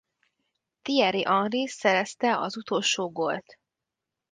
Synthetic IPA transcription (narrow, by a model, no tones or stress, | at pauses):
t̪iɛɾiʔɒnrisɛɾɛst̪ɛɒzut̪o̞lʃoːɡo̞lt̪